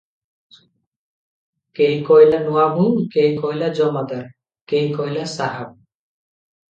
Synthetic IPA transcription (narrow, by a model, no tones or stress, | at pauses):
kejkɔjlanuabukejkɔjlad͡ʒɔmad̪aɾ | kejkɔjlasaɦab̚